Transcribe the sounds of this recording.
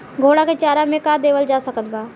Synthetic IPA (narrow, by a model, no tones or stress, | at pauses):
ɡʱoːɽaket͡ʃaːɾamẽkad̪eːʋəld͡ʒaːsəkət̪baː